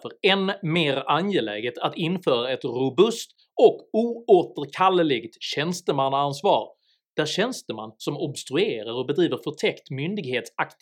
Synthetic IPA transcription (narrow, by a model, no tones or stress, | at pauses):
fœɾɛnmeːɾʔanjelɛ̰ːɡət̪ʰat̪ɪnːfœːɾaɛt̪ɾʊbɵst̪ | ɔkuːoːt̪əɾkʰalːəlɪɡt̪ɕɛnst̪əmanːaansvɑ̰ːɾ | d̪̥æɾɕɛnst̪əma̰nːsɔmɔbst̪ɾɵeːɾaɾɔbɛd̪ɾiːvəɾfœʈʰɛkt̪mʏnd̪ɪɡheːt̪sakt̪